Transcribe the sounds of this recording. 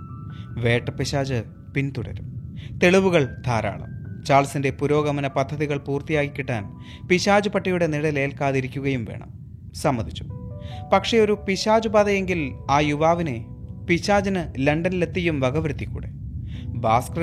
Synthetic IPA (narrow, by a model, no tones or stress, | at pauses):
ʋe̞ːʈːɐpiɕaːd͡ʑɨ | pint̪uɽɐ̰ɾumt̪e̞ɭiʋuɣɐɭd̪ʰʱaːɾa̰ːɭɐ̰mt͡ɕaːɭsinde̞puɾo̞ːɣɐmɐnɐpɐd̪ʱːɐðiɣɐɭpuːrt̪ijaːkikʲːiʈːa̰ːn | piɕaːd͡ʑupɐʈːijuɽe̞niɽɐle̞ːlkaːðiɾikʲːuɣɐjumʋe̞̰ːɳɐ̰m | sɐmːɐd̪ʱit͡ɕːu̥pɐkʂe̞o̞ɾupiɕaːd͡ʑubaːðɐje̞ŋɡilaːjuʋaːʋine̞ | piɕaːd͡ʑɐnɨlɐɳɖɐnile̞t̪ːijumʋɐɡɐʋɾɨt̪ːikʲːṵːɽḛbaːskr